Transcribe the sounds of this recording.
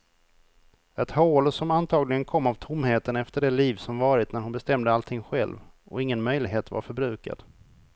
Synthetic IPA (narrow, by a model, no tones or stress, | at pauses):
ɛt̪hoːlsɔmant̪ʰɑːɡlɪɡənkʰɔmːavt̪ʰʊmːheːt̪ənɛft̪əɖɛliːvsɔmvɑːɾɪt̪næɾhʊnbɛst̪ɛmd̪əalt̪ʰɪŋːɧɛ̰lv | ʔɔ̰ɪŋːənmœjlɪɡɦeːt̪va̰ɾfœɾbɾʉ̟ːka̰d̪̥